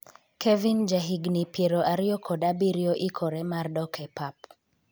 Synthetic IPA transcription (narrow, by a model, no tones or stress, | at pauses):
kʰevind͡ʒaɦiɡnipjeɾoʔaɾɪjɔkʰɔdabiɾjoʔikʰɔɾɛmardɔkʰɛpap